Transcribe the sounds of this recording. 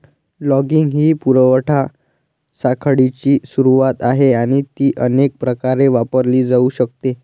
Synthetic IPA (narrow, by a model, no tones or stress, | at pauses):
lɔɡiŋɡɦiːpuɾəʋəʈʰa | sakʰəɽit͡ɕiːsuɾuʋat̪aɦeaɽ̃it̪iːʔənek̚pɾəkaɾeʋapəɾliːd͡zauɕək̚t̪e